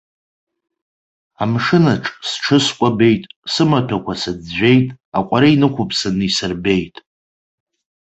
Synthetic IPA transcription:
amʂɨnaʈ͡ʂʼsʈ͡ʂʰɨskʷʼabe̞jtʼsɨmatʰakʷʰasad͡zːʷᶣe̞jtʼ | akʷʼaɾainɨkʷʰʊpʰsanɨisɨrbe̞jtʼ

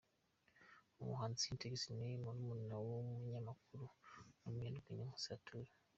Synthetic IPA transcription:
umṵɦaːnziinteɡesineimonumunnawomuɲamakuɾunumjeːnduɡeɲamusatʰu

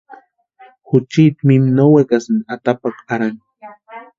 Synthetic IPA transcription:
xʊt͡ʃit̪mimnowekasnat̪apakaɾan

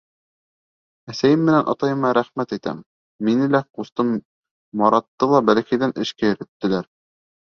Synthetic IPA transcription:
æsæjɘmːɘ̆nænʔɑ̰t̪ɑjɤ̆mɑɾæχmæt̪it̪æ̰mː | inɘlæqust̪ɤmː | ɑɾɑt̪ːɤlˠɑbælæ̆kæjðænʔɘ̆ʃkæjɘ̆ɾɘ̆t̪ːɘ̆læɾ

